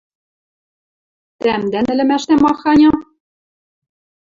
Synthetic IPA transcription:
t̪æmd̪ænɘ̆lɘ̆mæʃt̪æmɑxɑnʲɑ

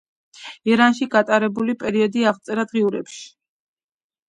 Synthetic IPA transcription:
iɾanʃiɡat̪ʼaɾɛbulipʼɛɾiɔd̪iaʁt̪sʼɛɾad̪ʁiuɾɛpʃi̥

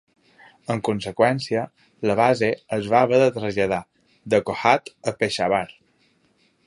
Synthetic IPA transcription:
əŋkunsəkwɛnsiə | ləβ̞azeəzβaβəðət̪ɾəzʎəða | d̪əkohat̪əpeʃaβaɾ

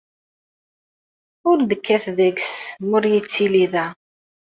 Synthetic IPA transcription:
ʊɾd̪əkːæθðəɡsmʊɾjit͡sːiliðæ

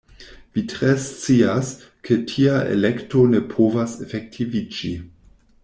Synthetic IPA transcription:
vitɾest͡sias | kʰetʰiaʔḛlektonepʰovasefek̚tʰivid͡ʒi

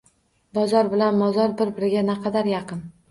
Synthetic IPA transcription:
bɒzɒɾbɪlanmɒzɒɾbɪɾbɪɾɪɡʲanɛqʰɑd̪aɾjɑqʰɨn

